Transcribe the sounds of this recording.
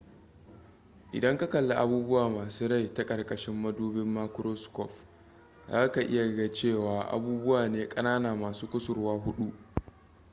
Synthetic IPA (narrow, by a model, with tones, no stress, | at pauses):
ʔɪ̰˨dɐ˦ŋka˦kɐ˨lːa˦ʔa˦buː˦bʊ˦waː˨maː˨suː˦ɾa˦˨jta˦kʼɐ˨rkʼɐ˨ʃɪ˦mːɐ˦duː˦bɪ˦mːaː˦kɾoː˦skɔ˦˨ɸ | zaː˦ka˨ʔɪ̰˦ja˨ɐ˨ɡa˦t͡ʃeː˦˨waː˨ʔa̰˦buː˦bʊ˦waː˨neː˦kʼɐ˦naː˦naː˨maː˨suː˦kʷʊ˦sʊ˨rwaː˦ɦʊ˦ɗu˦ʔ